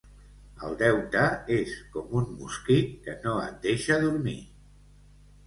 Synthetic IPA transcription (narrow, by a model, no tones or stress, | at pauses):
ə̰lˠd̪ɛwt̪əeskɔmunmṵskit̪kənoə̰t̪̚d̪eʃəðuɾmḭ